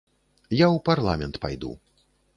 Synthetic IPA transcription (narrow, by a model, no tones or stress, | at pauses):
jawparlˠa̰mʲɛnt̪pa̰jd̪ṵ